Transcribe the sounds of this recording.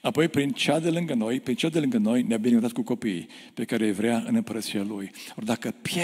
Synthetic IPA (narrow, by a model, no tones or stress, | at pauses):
apo̞jpɾint͡ʃad̪elɨŋɡənojpɾint͡ʃad̪e̞lɨŋɡəno̞jneabinekut̪at̪kuko̞pi | pe̞kaɾejvɾeaɨ̰nɨmpəɾət̪sialujord̪akəpe